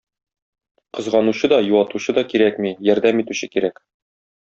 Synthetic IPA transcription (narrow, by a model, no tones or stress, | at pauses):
qɤ̆zʁɑnuɕɤd̪ɒjuwɑt̪uɕɤd̪ɒkiɾækmijɒɾd̪æmit̪ʉɕɘkiɾæk